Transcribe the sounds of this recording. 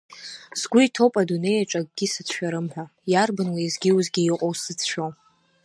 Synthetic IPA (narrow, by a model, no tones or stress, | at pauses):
zɡʷʊitʰowpʼadune̞jaʈ͡ʂʼaɡ̚ʼɡʲisɨt͡sʰʃᶣaɾɨmħʷᶣajarbɨnlaizɡʲiwuzɡʲiiqʼowsɨt͡sʰʃᶣo